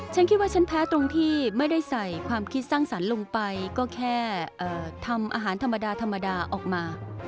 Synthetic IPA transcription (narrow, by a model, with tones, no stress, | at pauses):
t͡ɕʰa˦˥nkʰi˦˥waː˥˩t͡ɕʰa˦˥npʰɛː˦˥t̪ɾo˧ŋt̪ʰiː˥˩ma˥˩jda˥˩jsa˨˩jkʰwaː˧mkʰi˦˥t̪̚saː˥˩ŋsa˩˦nlo˧ŋpa˧jkɔː˥˩kʰɛː˥˩ʔɤː˨˩t̪ʰa˧mʔa̰ː˧ɦaː˩˦nt̪ʰa˧mːa˧daː˧t̪ʰa˧mːa˧daː˧ʔɔː˨˩k̚maː˧